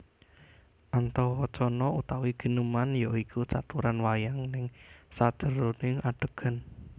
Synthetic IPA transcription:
ʔant̪ɔwɔt͡ʃɔnɔut̪awiɡ̥ə̤numanjɔikusat̪uɾanwajaŋnɪŋsad̥ʒ̥ə̤ɾonɪŋaɖ̥ə̤ɡ̥a̤n

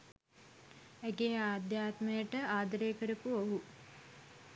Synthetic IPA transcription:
æɡejaːd̪jaːt̪məjəʈəaːd̪əɾeːkəɾəpuoɦu

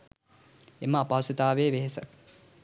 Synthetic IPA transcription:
eməapawsut̪aːʋeːʋeɦesə

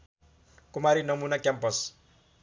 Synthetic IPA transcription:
kumaɾinʌmunakjampʌs

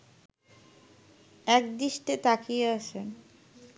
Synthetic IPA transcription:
ɛk̚d̪iʃʈet̪akijeaʃen

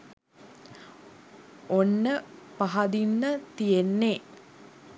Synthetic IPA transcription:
onːəpaɦɐd̪inːət̪ijenːe

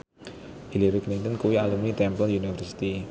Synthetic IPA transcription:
hiliɾiklint̪ənkuwialumit̪ɛmpəlunifəɾsi̥t̪i

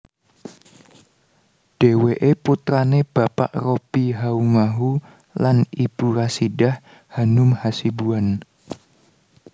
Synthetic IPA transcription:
ɖ̥e̤weʔeput̪ɾaneb̥a̤pa̰ʔropiɦaumaɦu | lanib̥uɾasiɖah | hanʊmhasibuan

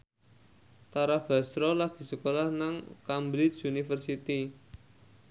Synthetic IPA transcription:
t̪aɾab̥ä̤sɾɔlaɡ̥i̤səkolahnaŋkambɾɪt͡ʃunifərsit̪i

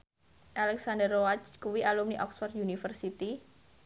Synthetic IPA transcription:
ʔalɛksandərowat͡ʃkuwialumniʔɔksfɔrt̪unifərsit̪i

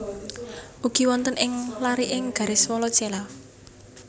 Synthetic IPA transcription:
ʔuɡ̥i̤wɔnt̪ənɪŋlaɾiʔɪŋɡ̥a̤ɾeswɔlɔt͡ʃela

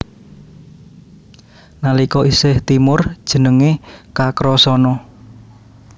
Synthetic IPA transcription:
nalikɔʔisɪht̪imʊrd̥ʒ̥ə̤nəŋekakɾɔsɔnɔ

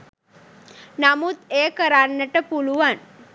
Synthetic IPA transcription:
namut̪ekəɾanːəʈəpuluʋan

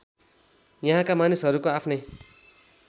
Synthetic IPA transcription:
jʌɦãkamanisɦʌɾukoapʰnʌj

